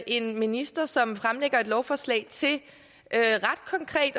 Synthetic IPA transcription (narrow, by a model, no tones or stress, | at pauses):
ʔe̝nminisd̥ɐsɒ̽mfʁamleɡ̥ɐe̝d̥lɒʊfɒːslɛ̰ɪt͡sʰe̝l | ʔøʁad̥kʰɒ̽ŋkʰʁɛ̰ːd̥